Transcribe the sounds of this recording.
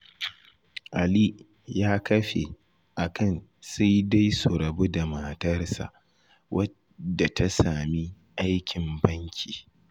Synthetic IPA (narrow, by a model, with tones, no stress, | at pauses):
ʔa˨li˦ | jaː˦kɐ˦ɸḛ˨ | ʔa˨kɐ˦˨nsa˦jda˦jso˨ɾɐ˨bo˦da˨ma˨tɐ˦rsa̰˨ʔ | wʔɐ˦ | da˨tʰa˦saː˨mi˦ | ʔa˦jkʲʰɪ˨mbɐ˦ŋkʲʰiː˨